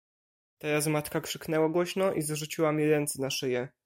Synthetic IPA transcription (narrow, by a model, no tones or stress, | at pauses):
t̪ajazmat̪kakʂɘknɛwaɡwɔɕnɔʔizʐut͡ɕiwamʲiɾɛnt̪sɛnaʂɘjɛ